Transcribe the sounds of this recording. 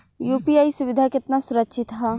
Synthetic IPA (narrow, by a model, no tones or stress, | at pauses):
juːpijaːisʊʋɪd̪ʱakɪt̪nasʊɾəkʃɪt̪ɦaː